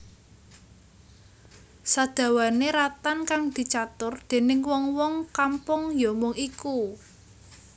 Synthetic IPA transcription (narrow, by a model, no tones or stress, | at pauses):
sad̪̥ä̤waneɾat̪ankaŋd̪̥i̤t͡ʃat̪ʊrd̪̥e̤nɪŋwɔŋwɔŋkampʊŋjɔmʊŋiku